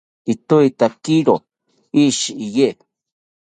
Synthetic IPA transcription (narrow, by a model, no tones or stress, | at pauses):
it̪uit̪akiɾo | iʃiije